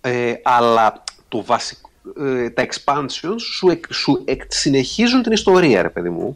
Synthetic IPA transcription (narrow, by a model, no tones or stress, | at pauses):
eɐlɐt̪ovɐsi̥kt̪ɐe̞kspɐnseo̞nsueksueksine̞çizunt̪inist̪o̞ɾiɐ̰ɾe̞peðimṵ